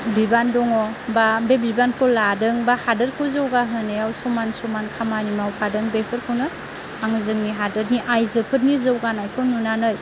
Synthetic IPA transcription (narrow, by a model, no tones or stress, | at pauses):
bibandɔŋɔbabebibankʰɯladɯŋbahadɯɾkʰɯzɯwɡaɦɯneawsɔmansɔmankʰamanimawpʰadɯŋbepʰɯɾkʰɯwnɯ | aŋzɯŋniɦadɯɾ̚niʔajzɯpʰɯt̚nizɯwɡanajkʰɔnunanɯj